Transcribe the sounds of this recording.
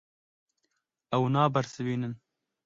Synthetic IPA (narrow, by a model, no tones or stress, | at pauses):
ɐwnɑːbɐɾsɨwiːnɨn